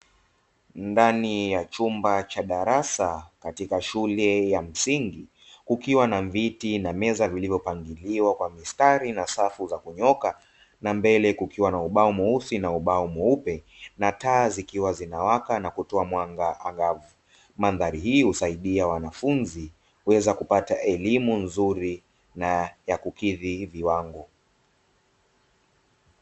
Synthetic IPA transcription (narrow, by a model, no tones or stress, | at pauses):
ndanijat͡ʃumbat͡ʃaɗaɾasakatikaʃulɛjam̩siŋɡi | kukiwanaɱvitinamɛzavilivjɔpaŋɡiliwakwamistaɾinasafuzakuɲɔka | nambɛlɛkukiwanauɓaɔmuuθinauɓaɔmɔupɛ | nataːzikiwazinawakanakutɔamwaŋɡaaŋɡavu | manðaɾihiːhusaiɗiawanafunzi | uwɛzakupataʔɛlimunzuɾi | najakukiðiviwaŋɡɔ